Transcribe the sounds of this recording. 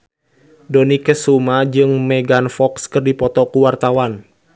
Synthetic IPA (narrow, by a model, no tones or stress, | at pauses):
dɔnikɛsumad͡ʒɨŋmɛɡanfɔkskɨrdipɔt̪ɔkuwart̪awan